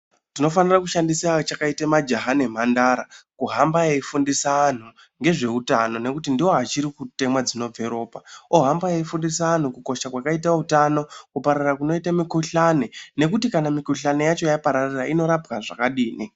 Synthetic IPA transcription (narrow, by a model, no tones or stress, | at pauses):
tino̞fanirakuʃandisiat͡ʃakaitemad͡ʒaɦanem̤andaɾakuɦambaeifundisaan̤u | ŋɡe̞ʐe̞utano̞ne̞kutindiwo̞ɦat͡ʃiɾikute̞mwad͡zino̞b͡ve̞ɾo̞ːpaoɦambajeifundisaan̤ukuko̞ʃakwakaitautano̞kupaɾarakuno̞itamikuɬane̞ne̞kutikanamikuɬane̞jat͡ʃo̞japaɾariraino̞ɾapɡaʐakaɗiːni